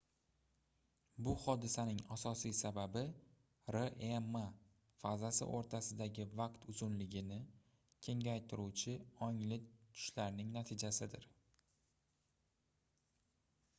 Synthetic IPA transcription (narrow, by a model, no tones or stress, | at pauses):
bʊhɒd̪ɪsanɪŋasɒsijsababɪ | ɾeʔema | fazasɪ̰ʔo̰ɾt̪ʰasɪd̪aɡʲɪvaqt̪ʰʊzʊnlɪɡʲɪnɪ | kʲʰe̞ŋʲajt̪ʰɪɾut͡ʃʰɪɒŋlɪt̪ʰʊ̥ʃlaɾnɪŋnat̪ʰɪd͡ʒasɪd̪ɪɾ